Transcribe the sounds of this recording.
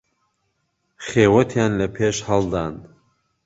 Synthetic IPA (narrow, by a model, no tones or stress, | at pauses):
χeːwɐt̪ʰjaːnlɐpʰeːʃhɐlˠd̪aːn